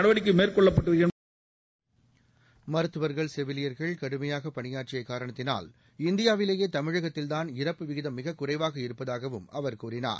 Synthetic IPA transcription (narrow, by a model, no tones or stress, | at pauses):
ɐɽɐʋɐɽɪk̬ːɯmeːrkɔɭːɐpːɐʈːɯʋɐjɐn | mɐɾɯt̪ːɯʋɐɾɣɐɭsɛʋɪlɪjɐɾɣɐɭkɐɽɯmɐjaːɣɐpɐnɪjaːrt͡ʃɪjɐɪkːaːɾɐɳɐt̪ːɪna̰ːl | ɪnd̪ɪjaːʋɪleːjeːt̪ɐmɪɻɐɣɐt̪ːɪlt̪aːnɪrɐpːɯʋɪɣɪðɐmːɪɣɐkːʊrɐɪʋaːɣɐɪɾɯpːɐðaːɣɐʋɯmɐʋɐɾkuːrɪna̰ːɾ